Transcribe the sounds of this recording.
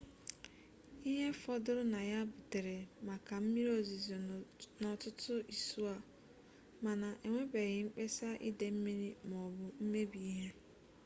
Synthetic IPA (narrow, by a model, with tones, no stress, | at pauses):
i˦ɦe˦fɔ˦dʊ˦ɾʊ˦na˨ja˦bʊ˨te˨ɾe˨ma˨ka˨m̩˦mi˦ɾo˦˨zi˨znɔ˨tʊ˦tʊ˦i˨su˦a˨ | ma˨na˨ʔe˨ŋʷe˦be˨ɣɪ˨ŋ͡m̩˦k͡pe˦sa˦ʔɪ̰˦de˨m̩˦mi˦ɾi˦m˨ɔ˨bʊ˨m̩˦me˦bi˨i˦ɦe˦